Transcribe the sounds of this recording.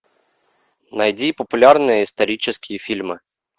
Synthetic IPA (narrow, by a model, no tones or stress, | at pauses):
nɐjdʲipɔpʊlʲarnɨjɐist̪ɐɾʲit͡ʃɪskʲijifʲilʲmɨ